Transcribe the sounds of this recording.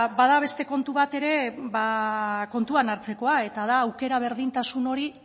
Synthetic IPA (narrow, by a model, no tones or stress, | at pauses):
bað̞aβ̞e̞st̪e̞ko̞nt̪uβat̪e̞ɾe̞βako̞nt̪uanaɾt͡se̞ko̞ae̞t̪að̞aːwke̞ɾaβ̞e̞ɾðint̪asuno̞ɾi